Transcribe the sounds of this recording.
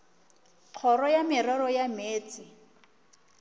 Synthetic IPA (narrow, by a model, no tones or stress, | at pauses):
q͡χʰɔrɔjamɪrɔɾɔjameːt͡sɪ